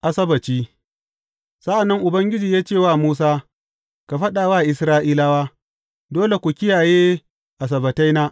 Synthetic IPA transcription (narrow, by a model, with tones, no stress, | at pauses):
ʔa˦sɐ˦bɐ˨t͡ʃiː˦ | sɐ˦ʔa˨nːɐ˦ŋʔʊ˨bɐ˦ŋɡʲɪ˦d͡ʒiː˨jaː˦t͡ʃeː˦˨waː˦˨muː˦s̬aː˦ | ka˨ɸɐ˦ɗaː˨waː˦˨ʔɪ˨sɾaː˦ʔiː˦la˦waː˦ | doː˦le˨kʷu˨kʲɪ˦jaː˨jeː˦ | ʔa˨s̬ɐ˨bɐ˨ta˦jnaː˦